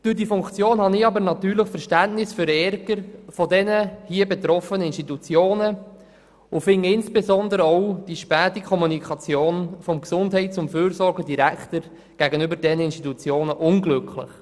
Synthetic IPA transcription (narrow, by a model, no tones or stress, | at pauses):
d̥ʊdifʊŋkt͡sjoːnhɑnɪɑbəɾnɑt̪yːɾləχfəɾʃtæntnɪsfyɾɛɾɡəɾfɔdɛnəhiəbɛt̪ɾɔfənəɪnʃtit̪ut͡sjoːnə | ʊfɪŋːəɪnsb̥ezɔndəɾəɔʊd̥iʃpæːtikʰɔmunikʰɑt͡sjoːnfɔmksʊnthɛɪtt͡sʊmføːɾsɔɾɡədiɾæktəɾ | ɡ̥æɡənʏbəɾdɛnəɪnʃtit̪ut͡sjoːnəʔʊnɡlɵkʰlɪ̰χ